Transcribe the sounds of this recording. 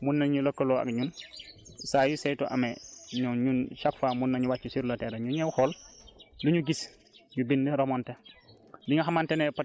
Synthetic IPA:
munːaɲulokːolɔa̰kɲun | saːjusejtɔʔa̰meɲuɲunʃakfaːmunːaɲuwat͡ʃːisiɾloteɾaɲuɲɛwhɔːlluɲuɡis | ɲubindeɾomɔnte | diɲuxamantenepat

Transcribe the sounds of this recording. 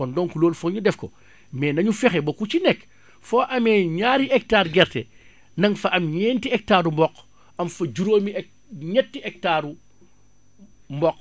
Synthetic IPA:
kɔndɔːŋkuloːlfɔɲudɛfkɔ̰ | mɛːnɐɲufɛxɛbokut͡ʃinɛkː | fɔːʔɐmɛːɲaːɾiɛk̚taːɾɡɛɾtɛ | nɐŋfɐʔɐmɲɛːntiɛk̚taːɾumbɔk | ɐmfɐd͡ʒuɾoːmiɛ | ɲɛtːiʔɛk̚taːɾu | mbɔk

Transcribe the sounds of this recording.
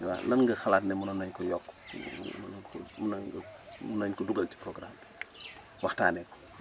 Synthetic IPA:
wa̰lɐnŋɡɐxalaːtnɛmunɐnɐɲkɔjɔkː | nɐnkɔmunɐɡɐmunɐɲkɔduɡɐlti̥pɾɔɡɾam | wɐxta̰ːnɛkːɔ̥

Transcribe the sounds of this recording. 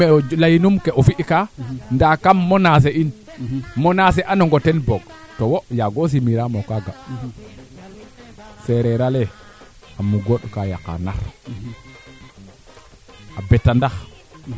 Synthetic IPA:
lajinumkɛʔɔfiʔkandakamːɔnas̬ein | mɔnas̬ɛʔanɔŋɡɔtɛnbɔɡ̚ | tɔwɔjaɡos̬imiɾamɔkaɡa | sɛɾɛɾalɛ | amuɡoɗkaja̰ka̰na̰ɾ | abɛtːandax

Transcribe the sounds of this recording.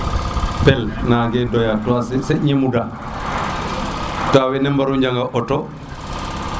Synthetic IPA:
pɛlnaɡɛdɔjatɔassɛɲimuda | tawɛnɛmbaɾuɲd͡ʒaŋɡaʔɔtɔ

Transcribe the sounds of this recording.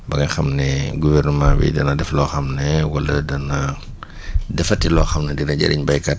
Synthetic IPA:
bɐɡɐxɐmnɛɡuvɛrnəmãːbḭdɐnɐdɛflɔːxɐmnɛwɐlɐdɐnɐ | dɛfɐtilɔːxɐmnɐdinɐɟɐ̰ɾʔḭɲbɐjkɐt̚

